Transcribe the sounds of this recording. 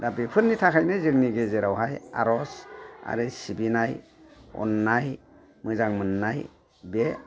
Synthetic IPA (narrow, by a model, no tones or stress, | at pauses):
dabipʰɯɾnitʰakʰajnɯzɯŋniɡezeɾawɦaja̰ɾɔsa̰ɾɯsibinaj | ɔ̰nːaj | mɯzaŋmɯnːaj | be